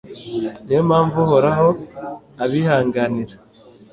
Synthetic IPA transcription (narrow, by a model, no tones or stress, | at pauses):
neomaːɱvuhoɾaɦo | aβihaːŋɡaniɾa